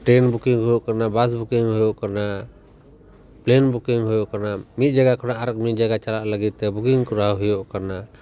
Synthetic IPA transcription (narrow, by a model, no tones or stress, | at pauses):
ʈɾɛnbukiŋɦujɔʔkanabas̬bukiŋɦɔjɔʔkana | plɛnbukiŋɦujɔʔkanamit̪̚ˀd͡ʒaɡakɔnaʔaɾək̚mit̪̚d͡ʒaɡat͡ʃalaʔləɡit̪̚t̪ɛbukiŋkɔɾaɦɦujɔʔkana